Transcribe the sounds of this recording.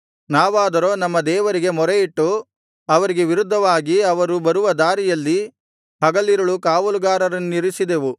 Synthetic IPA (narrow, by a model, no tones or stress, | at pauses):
naːʋaːd̪ɐɾo̞ːnɐmːɐd̪ɛːʋɐɾiɡe̞mɔɾeiʈːu | ɐʋɐɾiɡe̞ʋiɾud̪ʱːɐʋaːɡiɐʋɐɾubɐɾuʋɐd̪aːɾijɐlːi | ɦɐɡɐlːiɾɐɭukaːʋɐluɡaːɾɐɾɐnːuniɾisid̪eʋu